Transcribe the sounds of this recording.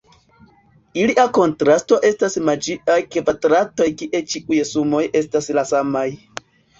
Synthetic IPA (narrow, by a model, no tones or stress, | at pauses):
iliako̞ntɾasto̞ʔe̞stasmad͡ʒiajke̞vatɾato̞jkiʔe̞t͡ʃiʔujsumo̞je̞staslasamaj